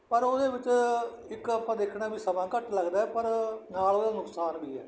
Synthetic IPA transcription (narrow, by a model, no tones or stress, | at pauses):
pəɾoːd̪eːʋɪt͡ʃ | ɪkəpãːd̪eːkʰɽaːbiːsəmãːkəʈləɡd̪aːɛːpəɾnaːloːd̪aːnʊksaːnbiːɛ̰ː